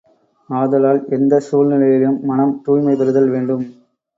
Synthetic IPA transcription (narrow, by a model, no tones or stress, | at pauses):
aːðɐlaːlɛnd̪ɐsuːlnɪlɐjɪlɯmːɐnɐmt̪uːjmɐɪpɐɾɯðɐlʋeːɳɖɯm